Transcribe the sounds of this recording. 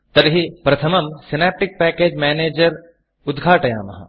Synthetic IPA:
t̪ɐɾɦipɾɐt̪ʰɐmɐmsinaːp̚ʈik̚pɛːkeːd͡ʒmeːneːd͡ʒɐɾ | ʊd̪ɡʱaːʈɐja̰ːmɐ̰ɦɐ̰

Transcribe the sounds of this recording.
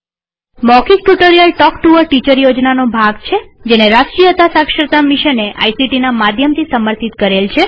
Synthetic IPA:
mɔkik̚ʈuʈoɾijəlʈɔkʈuʋəɾʈit͡ʃəɾjod͡ʒnanobʱaɡt͡ʃʰed͡ʒeneɾaskijət̪asakʃɾət̪amiʃəneʔa̰jsiʈinamad̪ʱjəmt̪ʰisəməɾt̪ʰit̪kəɾelt͡ʃʰe

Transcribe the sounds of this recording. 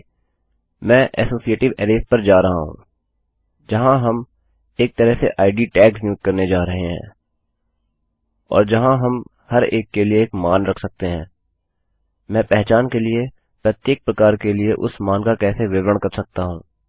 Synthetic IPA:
mɛ̃ːʔɛ̰ːsoːsieːʈɪʋɛːɾeːspɐɾd͡ʒaːɾɐɦaɦṵ̃ː | d͡ʒɐɦãɦɐm | eːk̚t̪əɾəɦsḛʔaːɪɖiʈɛːksmjuːt̪̚kɐɾned͡ʒaːɾɐɦeɦɛ̰̃ː | ɔ̰ːɾd͡ʒɐɦãɦɐm | hɐɾeːkːelieːkmaːnɾɐkʰsɐk̚t̪eɦɛ̃ː | mɛ̃ːpɛɦt͡ʃaːnkelie | pɾɐt̪jeːk̚pɾɐkaːɾkelieʔʊ̰smaːnkakɛːseʋɪʋɾəɳ̃kɐɾsɐk̚t̪aɦũː

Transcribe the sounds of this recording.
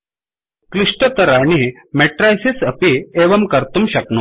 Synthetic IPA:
kliʂʈət̪əɾaɳ̃i | mɛʈɾajsisəpieʋəmkəɾt̪umɕəknu

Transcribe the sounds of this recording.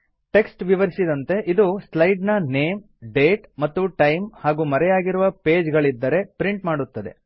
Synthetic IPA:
ʈe̞ksʈʋiʋɐɾisid̪ɐnt̪e̞ʔid̪uslɐjɖnɐne̞ːm | ɖe̞ːʈmɐt̪ːuʈɐjmhaːɡuːmɐɾɛjaːɡiɾuʋɐpe̞ːd͡ʒɡɐɭid̪ːɐɾe̞pɾiɳʈmaːɽut̪ːɐd̪e̞̰

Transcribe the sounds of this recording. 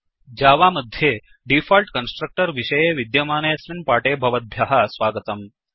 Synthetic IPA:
d͡ʑaːʋaməd̪ʱje | ɖifalʈkənsʈɾək̚ʈəɾʋiɕəjeʋid̪jɐmaːnesʋinpaʈebʱɐʋət̪̚bʱjaɦasʋaɡət̪əm

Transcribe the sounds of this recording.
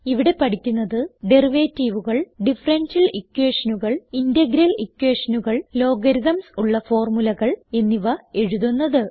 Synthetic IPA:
iʋiɽe̞pɐʈʰikʲːunːɐðɨɖeriʋeːtːiʋuɣɐɭɖifɐrɐnsɐlikːwe̞ːʂɐnuɣɐɭindeɡɾɐlikːweːʂɐnuɣɐɭlo̞ːɡɐɾiðɐmsuɭːɐfo̞ːrmulɐɣɐɭe̞nːiʋɐe̞ɻuðunːɐðɨ

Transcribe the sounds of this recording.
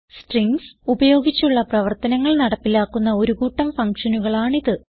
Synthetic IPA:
sʈriŋɡsubɐjo̞ːɡit͡ɕːuɭːɐprɐʋɐrt̪ɐnɐŋːɐɭnɐɽɐpːilaːkːunːɐo̞ɾuɣuːʈːɐmfɐŋkʂɐnuɣɐɭaːɳiðɨ

